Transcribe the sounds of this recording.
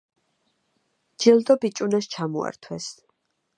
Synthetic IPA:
d͡ʒ̥ilˠd̪ɔbit͡ʃʼunast͡ʃʰamɔ̰a̰ɾt̪ʰwɛs

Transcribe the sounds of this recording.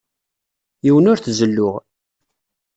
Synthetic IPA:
jiwənʊɾθzəlːʊʁ

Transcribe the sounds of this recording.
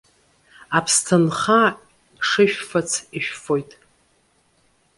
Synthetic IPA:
apʰstʰɨnχa | ʂɨʃᶣfat͡sʰiʃᶣfo̞jtʼ

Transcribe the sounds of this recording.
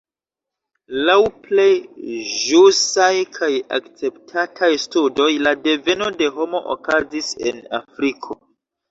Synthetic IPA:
lawplejʒusajkʰaja̰kt͡se̞ptʰatʰajstudo̞jlade̞ve̞no̞de̞ɦo̞mo̞ʔo̰kazise̞̰na̰fɾikʰo̞

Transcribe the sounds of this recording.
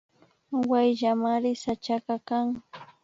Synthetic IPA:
wajʒamaɾɪsat͡ʃakakaŋ

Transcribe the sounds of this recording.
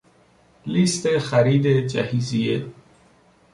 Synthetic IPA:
list̪exæɾiːd̪ed͡ʒæhizie

